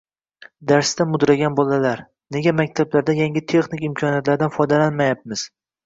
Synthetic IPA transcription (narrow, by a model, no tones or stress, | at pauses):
d̪aɾst̪amʊd̪ɾaɡʲanbɒlalaɾ | ne̞ɡʲamak̚ʲt̪ʰablaɾd̪ajaŋɡʲɪt̪ʰe̞χnɪkʲɪmkʰɒnijat̪laɾd̪anfɒjd̪alanmajap̚mɪz̥